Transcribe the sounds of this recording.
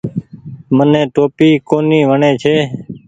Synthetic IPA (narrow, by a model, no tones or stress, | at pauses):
mənẽːʈoːpiːkoːniːʋəɳẽːt͡ʃʰeː